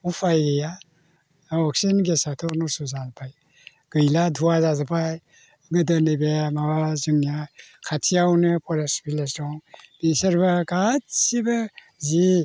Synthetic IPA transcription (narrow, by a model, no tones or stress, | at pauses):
upʰajɡɯja | ɔk̚sinɡesatʰɔnɔsuzalpʰaj | ɡ̥ɯjladʱuazazapʰaj | ɡɯdɯnɯbemabazɯŋjakʰatʰijawnɯpʰɔɾespilesdɔŋm̥isɐɾbaɡat̚siba | zi